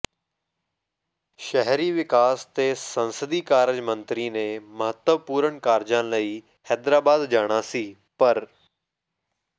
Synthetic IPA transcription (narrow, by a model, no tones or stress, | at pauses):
ʃəɦɾiːʋɪkaːst̪eːsənsəd̪iːkaːɾd͡ʒmə̃nt̪ɾiːnẽːməɦət̪wəʋpuːɾəɳkaːɾd͡ʒãːləiː | hɛːd̪ɾaːbaːd̪d͡ʒaːɽ̃aːsiː | pəɾ